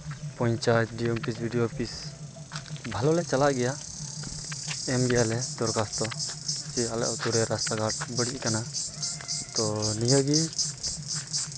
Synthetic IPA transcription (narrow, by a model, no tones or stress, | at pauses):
pɔ̃ɲt͡ʃaɛt̪̚ɖiɔmpisbʱiɖijopis | bʱalɔlɛt͡ʃalaʔɡɛja | ɛmbijalɛd̪ɔɾkast̪ɔkialɛ̰ʔɔt̪uɾɛɾast̪aɡaɾbəɽiʔkana | t̪ɔnijəɡi